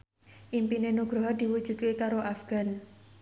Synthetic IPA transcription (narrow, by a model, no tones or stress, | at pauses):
ʔimpinenuɡ̥ɾɔɦɔrd̪̥iwu̥d͡ʒ̥ṳd̪̚kekaɾoʔafɡ̥a̤n